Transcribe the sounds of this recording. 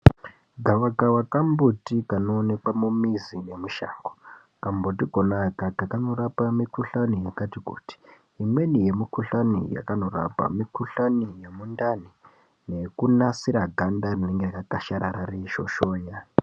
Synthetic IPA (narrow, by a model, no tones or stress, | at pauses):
ɡʱaʋakawakambutikano̞ːne̞kamumizine̞muʃa̰ːŋɡo | kambotiɡʱo̞nakakakano̞ɾapamikuɬanijakatikṵti̥ː | mwe̞nije̞mikuɬanḭja̰kano̞ra̰pa̰mikuɬanijemundani | ne̞kunasiɾaɡʱandarine̞ŋɡerakakaʃaɾaɾariʃo̞̰ʃo̞ːja